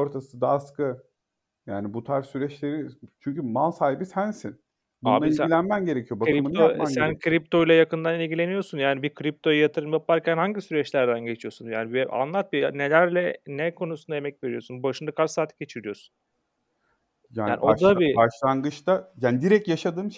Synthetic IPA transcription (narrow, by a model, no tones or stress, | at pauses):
oɾt̪ʰasɯd̪aːskɯ | jaːnibut̪ʰaɾsyɾɛt͡ʃlʲe̞ɾit͡ʃʰyɲcymalˠsaːhibisænsin | aiilʲænmænɟe̞ɾecʰijo̞baɾimunoasænkʰɾip̚t̪ʰo̞jlˠajakɯnd̪anilʲɟʲilʲe̞nijo̞sunjaːnibikʰɾip̚t̪ʰo̞jɯjat̪ʰɯɾɯmjapaɾcʰænhaɲɟisyɾɛt͡ʃlʲæɾd̪ænɟe̞t͡ʃʰijo̞sunjaːniba̰nlˠat̪̚binelʲæɾlʲɛnɛkʰo̞nusund̪ajemɛcve̞ɾijo̞sunbaʃɯnd̪akʰaɾsaːt̪ʰːɯ̥ɟe̞t͡ʃʰiɾijo̞su̥n | jaːaːnḭʔodd̪abibaʃlˠanɡɯt͡ʃt̪ajaːnid̪iɾɛc̚jaʃad̪ɯm